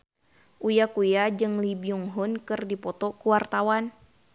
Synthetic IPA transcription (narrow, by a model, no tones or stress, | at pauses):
ʔujakujad͡ʒɨŋlibiuŋɦʊnkɨrdipɔt̪ɔkuwart̪awan